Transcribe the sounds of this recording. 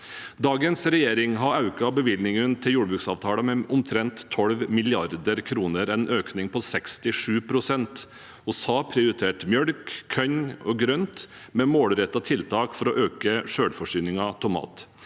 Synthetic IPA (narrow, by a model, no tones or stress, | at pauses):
d̪ɑːɡənsɾɛjeːɾɪŋɦɑɾɑʉkɑbəʋɪlnɪŋənt̪ʰɪljuːɖbɾʉːksɑːʋt̪ʰɑːɽɑmɛʔʊmt̪ʰɾɛnt̪ʰːɔlʋmɪlɪɑɾd̪əɾkʰɾuːnəɾɛnʔøːknɪŋpʰɔsɛkst̪ɪʂʉːpʰɾʊsɛnt̪ | ɔsɑːpʰɾɛʊɾɪt̪ʰeːʈmjœɽkʰːœɲɔɡɾœnt̪ | mɛmoːlɾɛt̪ːɑt̪ʰɪlt̪ʰɑːkfɔɾɔʔøːkəʂøːɽfɔʂyːnɪŋɑt̪ʰɔmɑ̰ːt̪